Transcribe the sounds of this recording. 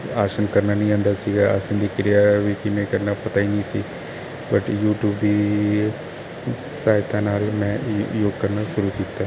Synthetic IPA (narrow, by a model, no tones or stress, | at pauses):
aːʃənkəɾnaːnəĩːãːnd̪aːsiːɡaːa̰ːsənd̪iːkɪɾɪjaːʋiːkɪmẽːkəɾnaːpət̪aːinĩːsḭː | bəʈjuːʈjuːbd̪iː | saːɦɪt̪ãːnaːlmɛ̃ːjoːɡkəɾnaːʃʊɾuːkiːt̪ːaː